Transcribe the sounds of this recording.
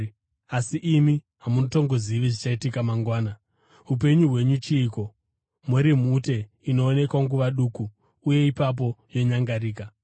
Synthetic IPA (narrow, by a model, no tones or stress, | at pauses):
asiʔimi | ɦamunoto̞ŋɡoziʋiʐit͡ʃaitikamaŋɡwaːna | up̬e̞ɲuɦwe̞ɲut͡ʃiːko̞ | mweɾimute̞ | ino̞ːne̞kwaŋɡuʋaɗuːkuː | je̞ipap̬o̞jo̞ɲaŋɡaɾiːka